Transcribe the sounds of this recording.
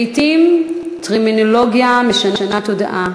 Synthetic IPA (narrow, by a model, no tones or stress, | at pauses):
itimtʁiminoloɡjameʃananatoda̰ʔa